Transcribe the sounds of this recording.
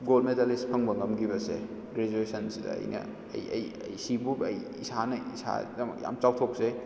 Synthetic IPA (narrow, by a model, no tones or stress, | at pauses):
ɡolmetalispʰɐŋbɐŋɐmɡibɐsḛ | ɡɾed͡ʒuesɐnsidɐ̰ɐ̰jnɐ̰ | jɐ̰jɐjsibuɐj | isanɐisa̰dɐmɐ̰kja̰mt͡ʃawtʰok̚se